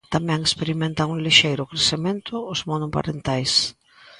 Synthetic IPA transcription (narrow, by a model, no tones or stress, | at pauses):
t̪amɛ̃ŋespeɾimẽnt̪aŋuŋliʃejɾʊkɾesemẽnt̪ʊːzmonʊpa̰ɾent̪ajs